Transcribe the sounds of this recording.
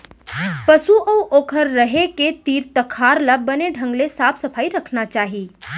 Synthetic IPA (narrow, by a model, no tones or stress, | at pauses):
pəsuʔəwʔoːkʰəɾːɐɦeket̪iːɾt̪əkʰaːɾləbːɐneɖʱə̃ŋɡlesaːpʰsɐpʰaːiɾɐkʰnat͡ʃaːɦiː